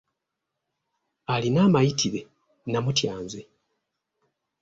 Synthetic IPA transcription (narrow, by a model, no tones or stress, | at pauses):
alinaːmajitʰiɾe̞ | namutjaːnze̞